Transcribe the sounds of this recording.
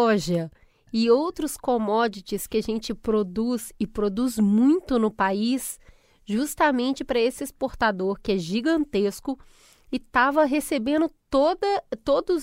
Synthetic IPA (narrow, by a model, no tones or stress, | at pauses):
ɔʒɐ | ɪowt̪ɾʊskomɔd͡ʒɪt͡ʃɪskɪaʒẽnt͡ʃɪpɾod̪uzɪpɾod̪uzmũj̃t̪ʊnʊpais | ʒust̪amẽnt͡ʃɪpɾɐesɪespoɾt̪ad̪oɾkɪɛʒiɡɐ̃nt̪eskʊ | ɪt̪avɐɦesebẽnd̪ʊt̪od̪ɐt̪od̪ʊz